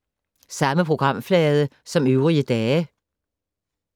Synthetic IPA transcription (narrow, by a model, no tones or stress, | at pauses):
sɑməpʰʁoɡ̥ʁɑm̰flɛːðˠəsɒ̽møʊʁiəd̪̥ɛːə